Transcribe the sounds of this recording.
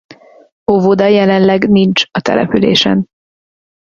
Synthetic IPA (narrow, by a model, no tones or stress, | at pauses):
hovod̪ɒjɛlɛnlɛɡnint͡ʃɒt̪ɛ̰lɛ̰pylḛːʃɛ̰n